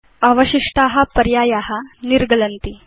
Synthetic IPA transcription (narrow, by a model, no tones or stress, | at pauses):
aʋəɕiʂʈaɦapəɾjajaɦaniɾɡələnt̪i